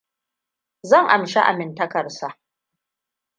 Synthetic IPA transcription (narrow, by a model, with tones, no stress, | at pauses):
zɐ˦˨ŋʔa˨mʃe˦ʔa̰˨mɪ˨ntɐ˦kɐ˨rsa˨ʔ